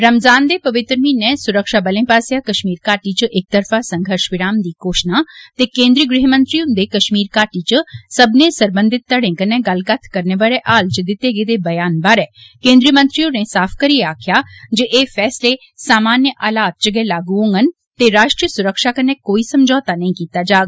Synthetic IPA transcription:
ɾɐmzaːnd̪epɐʋɪt̪ɾəminesʊɾəkʃaːbɐlẽpaːsjakɐʃmiːɾkaːʈit͡ʃɐʔek̚t̪ɐɾfasɐ̃ŋɡʱəɾʃʋɪɾaːmd̪iːkoːʃnat̪ekẽːnd̪ɾijəɡɾɪɦəmə̃nt̪ɾijond̪ekɐʃmiːɾkaːʈit͡ʃəsɐbʱnesɐɾbə̃nd̪ʱɪt̪ːɐɽẽːkənẽɡɐlkat̪ʰkɐɾneʋaːɭeʔaːlt͡ʃəd̪ɪt̪eːɡed̪ebɐjaːnbaːɾɛkẽːnd̪ɾijəmɐ̃nt̪ɾijõnesaːpʰkɐɾieaːkʰjad͡ʒeʔeːfɛːsle | saːmaːnjəʔaːlaːt̪̚t͡ʃəɡɛlaːɡuõːŋɡən | t̪eɾaːʃʈɾijəsʊɾəkʃakənẽkoːisɐmd͡ʒɔːt̪anɐĩkiːt̪ad͡ʒaːɡ

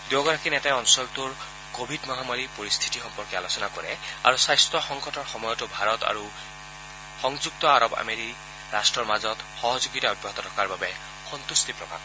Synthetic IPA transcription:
d̪joɡɔɹakinɛtajɔnsɔlt̪uɹ | kobʱidmɔɦamaɹipoɹist̪ʰi̥tixɔmpɔɹkɛalosɔnakɔɹɛ̰a̰ɹusajstɹɔxɔŋkɔtɔɹxɔmɔjɔtʊbʱaɹɔta̰ɹu | xɔŋd͡ʒuk̚tɔaɹɔba̰meɹik | ɹastɹɔɹmazɔtxɔɦɔzuɡitaɔd̚bʱɔɦɔt̪ɔtʰɔ̥kaɹbabɛ | xɔnt̪ust̪ipɹɔbʱa̰b

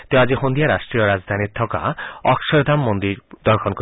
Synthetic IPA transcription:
t̪ead͡ʑeɦond̪ijaɾaʃʈɾiɔɾad͡zd̪ʱaniɾt̪ʰɔka̰ɔkʃɔɾd̪ʱamːond̪iɾd̪ɔɾkʰɔnko

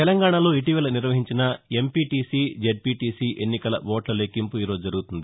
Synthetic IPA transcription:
t̪ɛlɐŋɡaːɳɐlo̞ːiʈiʋɐːlɐniɾʋɐɦiɲt͡ʃinɐe̞mpiːʈiːsiːd͡ʒeɖ̚piːʈiːsiːʔenːikɐlɐʋoːʈlɐleːkimpuiːɾo̞ːd͡ʒud͡ʒɐɾuɡut̪und̪i

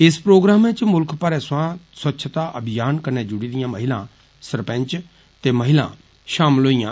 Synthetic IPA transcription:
ɪspɾoːɡɾaːmẽt͡ʃmʊlkʰpəɾɛswãswɐtːʃʰət̪aʔɐbʱijaːnkɐɾned͡ʒʊɽid̪ijãmɐɦɪlã | sɐɾpɛ̃ɲt͡ʃ | t̪emɐɦɪlã̰ | ʃaːmloːijã

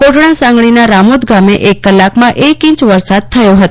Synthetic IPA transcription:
koʈɽ̃ãsãŋɡɭ̃inaɾamud̪ɡameʔekːəlːakmãʔekĩt͡ʃʋəɾsad̪̚t̪ʰəjoɦət̪o

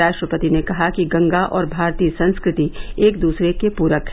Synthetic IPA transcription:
aːʃʈɾəpət̪inekɐɦakiɡɐ̃ŋɡaʔɔːɾbʱaːɾt̪iːsɐ̃nskɾɪt̪ieːk̚d̪uːsɾekepuːɾəkɦ

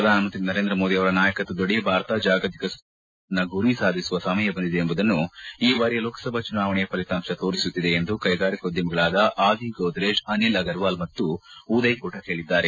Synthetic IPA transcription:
pɐd̪ʱaːnmɐnt̪ɾinɐɾe̞ːnd̪ɾɐmoːd̪iɐʋɐɾɐnaːjɐkɐt̪ːud̪oɽejɐbʱaːɾt̪aːd͡ʒaːɡɐt̪i̥kɐs | nɐɡuɾisaːd̪ʱisuʋɐsɐmɐjɐbɐnd̪id̪eembud̪ɐnːuiːbaːɾijɐloːkɐ̥sɐbʱɐt͡ʃunaːʋɐɳɛjɐpɐlit̪aːmʂɐt̪o̞ːɾisut̪ːid̪eːnd̪ukɐjɡaːɾikɐud̪jɐmɐɡɐɭaːd̪ɐʔaːd̪ʱiɡɐwd̪ɾeːʃɐnilɐɡɐɾʋaːlmɐt̪ːuud̪ɐjɐkoːʈɐkɦeːɭid̪ːaːɾe

